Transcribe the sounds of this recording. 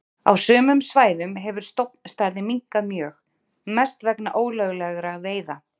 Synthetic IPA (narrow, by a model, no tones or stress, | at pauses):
a̰wsœːmʏmsvaːjðʏmɦɛvʏɾ̥st̪owpnst̪aɾðɪmiŋkamjœːx | mɛst̪vɛknaʔoːwlœɣlɛɣɾaveːjða